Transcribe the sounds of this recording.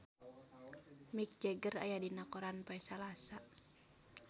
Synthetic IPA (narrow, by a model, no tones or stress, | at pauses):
mik̚d͡ʒɛɡəra̰jadinakɔɾanpaɛsalasa